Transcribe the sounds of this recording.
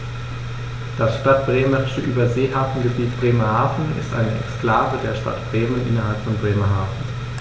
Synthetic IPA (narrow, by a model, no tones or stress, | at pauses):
d̥asʃtat̚b̥ʁeːməʁɪʃəʔyːbɐzeːhaːfn̩ɡəbiːt̚b̥ʁeːmɐhaːfn̩ɪ̰stʔa̰ɪnəɛ̰kskl̥aːvədeːɐʃta̰tb̥ʁeːmənʔɪnɐɦalpfɔnbʁeːmɐɦaːfn̩